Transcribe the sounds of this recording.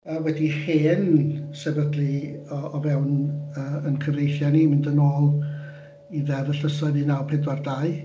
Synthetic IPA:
əːwɛdiheːnsɛbədlˠiɔɔvɛwnəːənkʰəvejθjanimɪndənoːlˠ | iðɛðəɬəsɔɨðinawpʰɛdwardaɨ

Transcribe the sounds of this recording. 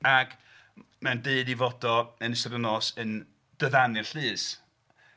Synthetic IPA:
aɡ̥ | mandeɨdivɔdɔənəsɔdənɔːsən | d̥əðanɨrɬɨːs

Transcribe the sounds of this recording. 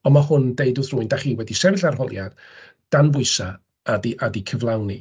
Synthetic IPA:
ɔmahʊndejdʊθrʊɨndaχiːwɛdisɛvɪɬarɦɔlˠjad̥ | d̥anvʊɨsa | adiʔadikʰəvlˠawni

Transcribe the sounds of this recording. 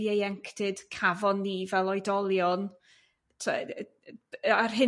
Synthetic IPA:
jejɛŋkʰd̥ɨd̥kʰavɔnːiːvɛlˠɔjdɔlˠjɔn | tʰɛ̰ | arɦɨ

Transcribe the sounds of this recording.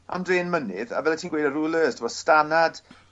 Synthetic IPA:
a̰mdreːnmənɪða̰vɛlatʰiːnɡweːdəɾuːlˠəːstʰɪmɔ̥stanad̥

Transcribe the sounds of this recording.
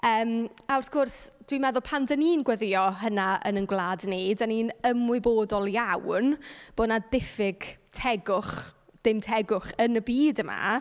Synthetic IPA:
əːmawrθkʰʊrsd̥wimɛðʊlˠpʰandəniːnɡwɛðɪɔɦənaə̰nənɡwlˠaːdnejdaniːnəmʊɨboːdɔlˠjawnb̥oːnadɪfɪɡ̥tʰɛɡʊχ | d̥ɪmtʰɛɡʊχənəbiːdəma̰

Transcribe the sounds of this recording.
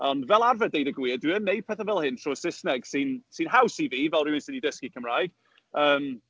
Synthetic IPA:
ɔndvɛlˠarvɛədejdəɡwiːədwɪənːej̚pʰɛθəvɛlˠhɪntʰr̥ɔːsɪsnɛɡ̥siːnsiːnɦawsiviːvɛlˠɾɪwɪnsədidəskikʰəmrajɡ̥ | əːm

